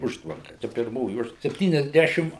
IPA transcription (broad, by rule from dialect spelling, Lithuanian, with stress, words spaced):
ˈʊʃtʋɐŋkɐ ˈt͡ʃʲɛ pʲɪrˈmoːjɪ ˈʊʃtʋ sʲɛpʲˌtʲiːnʲɛzʲˈdʲæʃʲɪm